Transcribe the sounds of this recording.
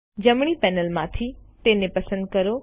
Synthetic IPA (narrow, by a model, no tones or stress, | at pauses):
d͡ʑɐmɽ̃ipɛːnəlmãt̪ʰit̪eːnepɐsə̃nd̪̚kɐɾo